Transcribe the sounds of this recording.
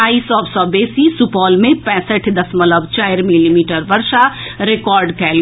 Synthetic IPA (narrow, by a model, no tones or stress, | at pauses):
aːiːsɔbsɔːbeːsisʊpɔːlmẽpɛ̃ːsəʈʰd̪ɐsmɐləbt͡ʃaːɪɾmɪlimiːʈəɾʋɐɾʃaɾekɔːɾɖkɛːl